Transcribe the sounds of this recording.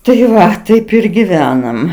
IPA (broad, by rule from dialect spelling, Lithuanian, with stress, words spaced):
tɐɪ ˈʋɐ ˈtɐɪp ɪr ɡʲɪˈʋʲæːnɐm